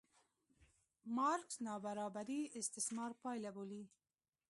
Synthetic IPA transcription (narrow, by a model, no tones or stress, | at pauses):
mɑɾksnɑbaɾɑbaɾiɪst̪ɪsmɑɾpɑjlaboli